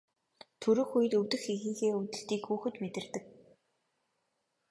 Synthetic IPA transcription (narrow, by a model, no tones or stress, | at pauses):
t̪ʰɵɾɵ̆xujɘ̆t̪ɵwt̪ɘ̆xixĭːŋxeːut̪ɘ̆ɮt̪iːkxuːxɘ̆t̪met̪ɘ̆rt̪ɘ̆k̚